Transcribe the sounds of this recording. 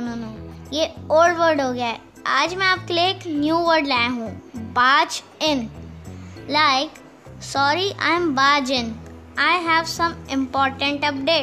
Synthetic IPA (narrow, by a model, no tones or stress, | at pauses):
nonoːjeoːlɖʋəɾɖɦoːɡjaːe | aːd͡ʒmɛ̃aːp̚keleːknjuːʋəɾɖlaj̃ɦũːbaːd͡ʒ | ɪ̃n | laɪk | sɔːɾiʔã̰ɪ̃mbaːd͡ʒɪ̃n | aɪɦɛʋsɐ̃mɪ̃mpɔːɾʈə̃ɳʈɐp̚ɖeːʈ